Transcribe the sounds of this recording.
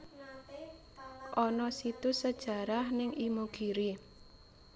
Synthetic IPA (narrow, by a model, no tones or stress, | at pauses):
ʔɔnɔsit̪usəd̥ʒ̥a̤ɾahnɪŋʔimuɡ̥iɾi